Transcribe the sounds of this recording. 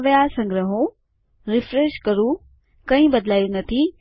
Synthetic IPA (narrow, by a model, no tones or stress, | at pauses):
ʋijasɐ̃ŋɡɾəɦõ | ɾɪfɾeːʃkɐɾu | kɐ̃ɦĩbɐd̪laːjunɐt̪ʰi